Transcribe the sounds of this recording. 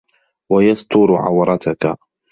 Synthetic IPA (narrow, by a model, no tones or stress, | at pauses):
wajɑst̪ʊɾʕa̰wɾˤɑt̪aka